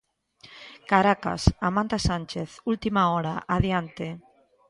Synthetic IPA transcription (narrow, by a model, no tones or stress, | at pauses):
kaɾaka̰samãnt̪asanʲt͡ʃeθult̪imaoɾaʔaðjant̪e